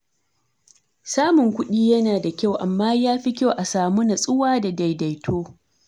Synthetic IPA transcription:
saː˦mʊ˨ŋkʷʊ˦ɗiː˦jɐ˦naː˨da˨kʲa˦˨wʔa˨mːaː˦jaː˦ɸi˦kʲo˦ʔa˨saː˨mu˦na˨sʼʊ˦waː˦da˨da˨jda˨jtʰoː˦

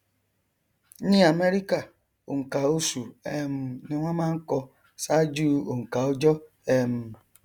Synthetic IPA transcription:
ɲi˦a˨me˦ɾi˦ka˨ | o˨ŋ̩˨ka˨o˦su˨e˦m̩˦nɪ˦ŋʷa˦ma˦ŋ̩˦kɔ˦ | sa˦d͡ʒuː˦˨o˨ŋ̩˨ka˨o˦d͡ʒɔ˦ | e˦m̩˦

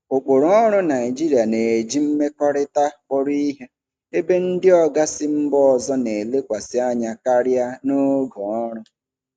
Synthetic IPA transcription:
ʊ˨k͡pʊ˨ɾʊ˨˦ɔ˦ɾʊ˦na˨ɪ˨d͡ʒi˦ɾi˨a˨ne˨e˨d͡ʒi˦m̩˦me˦kɔ˦ɾɪ˦ta˦k͡pɔ˦ɾi˦i˦ɦe˦ | e˦be˦n̩˦dɪ˦ɔ˦ɡa˦sɪ˦m̩˦bɔ˦ɔ˨zɔ˦ne˨le˦kʷa˨sɪ˦a˦ɲa˨ka˦ɾɪ˦a˦no˦ɡɔ˨ɔ˦ɾʊ˦

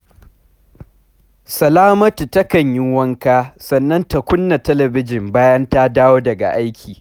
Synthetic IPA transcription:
sɐ˨laː˦mɐ˦tu˨tɐ˦kɐ˨ɲjɪ˦wɐ˦ŋkaː˦sɐ˨nːɐ˦nta˨kʷʊ˦nːa˨tɐ˦lɐ˨bɪ˦d͡ʒɪ˨mbaː˦jɐ˦nta˦daː˦woː˦dɐ˨ɡa̰˨ʔa˦jkʲʰiː˨

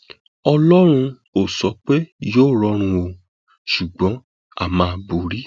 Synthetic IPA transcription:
ɔ˧lɔ˦ɾ̃ũ˧ | o˨sɔ˨˦k͡pe˦joː˦˨ɾɔ˧˦ɾ̃ũ˧o˧ | ʃu˨ɡ͡bɔ̃˨˦ | a̰˦˨mãː˧bu˨ɾi˦

